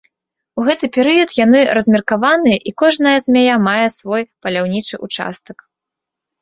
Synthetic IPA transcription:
uɣɛt̪ɨpʲɛɾɨjɐt̪janɨɾɐzʲmʲɛrkavanɨjɐʔikɔʐnɐjɐzʲmʲajamajɛsvɔjpɐlʲawnʲit͡ʂɨʔut͡ʂa̰st̪ɐk

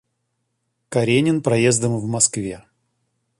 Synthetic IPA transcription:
kɐɾʲenʲɪnpɾɐjezd̪əmvmɐskvʲe

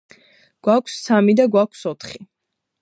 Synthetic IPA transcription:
ɡ̥wakʷʰsːamid̪aɡwakʰsɔt̪ʰχi

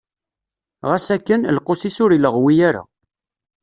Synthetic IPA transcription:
ʁæsækːənlqosisʊɾiləʁwijaɾa̰

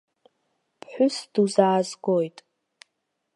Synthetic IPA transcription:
pʰħʷᶣʊsd̥uzaːzɡojtʼ

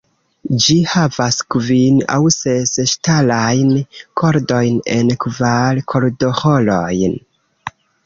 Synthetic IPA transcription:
d͡ʒihavaskvina̰wseseʃtalajnkʰo̞ɾdo̞jnenkvalkʰo̞ɾdo̞holo̞jn

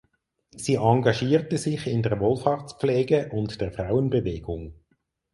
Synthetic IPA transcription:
siːʔɑŋɡɑʃiːʁtəzɪçɪndeːɐʁvoːlfaːʁt͡spp͡flɛːɡəʔʊntd̥eːɐfʁaʊənbəveːɡ̥ʊŋ

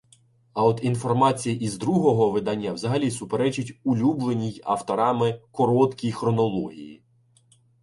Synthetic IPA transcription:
ɐɔd̪infɔrmɑt͡sʲijiʔizd̪ɾuɦɔɦɔʋɪd̪ɑnʲːɐwzɐɦɐlʲisʊpeɾɛt͡ʃʊtʲʊlʲublˠenʲijɐ̰wt̪ɔɾɑmɪkɔɾɔt̪kʲijxɾɔnɔlˠɔɦʲḭjḭ

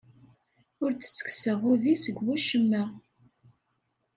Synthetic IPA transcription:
ʊɾt͡sə̥t͡sːə̥ksəʁʊðisəɡwæʃəmːæ

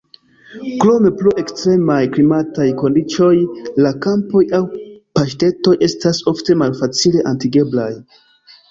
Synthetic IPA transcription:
kɾo̞me̞plue̞kstɾe̞majklimatajko̞ndit͡ʃo̞jlakampo̞jawpaʃte̞to̞je̞staso̞fte̞malfat͡sile̞ʔantiɡe̞blaj

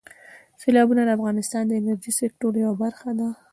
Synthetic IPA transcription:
sɪlɑbunad̪əafɣɑnɪst̪ɑnd̪əɪnaɾʒisɪk̚ʈoɾjawabaɾxad̪a

